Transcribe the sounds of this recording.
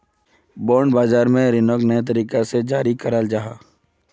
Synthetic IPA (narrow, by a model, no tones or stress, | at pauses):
boːɳɖbaːzaːɾmẽɾɪnoknəat̪̬əɾiːkased͡ʒaːɾikəɾəld͡ʒaːɦaː